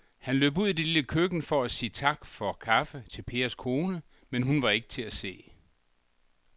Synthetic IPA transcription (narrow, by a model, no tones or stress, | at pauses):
hænlø̰ːb̥uð̰ˠid̥e̝liləkʰøɡ̥n̩fɒ̽æsiːt͡sʰɑ̈ɡ̥fɒ̽kʰɑ̈fət͡sʰe̝lpʰe̝ːɐskʰo̝ːnə | menɦunʋɑ̈e̝ɡ̥ə̥t͡sʰe̝læse̝̰ː